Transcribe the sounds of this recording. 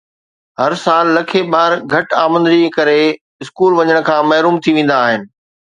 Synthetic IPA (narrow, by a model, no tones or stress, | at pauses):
ɦɐɾsaːlːɐkʰeɓaːɾɡʱɐʈaːmə̃nd̪ɾikɐɾe | ɪskuːlʋɐɲəɽ̃̆kʰãːmɐɦɾuːmt̪ʰiʋẽːn̆d̪aːɦɪnɪ̆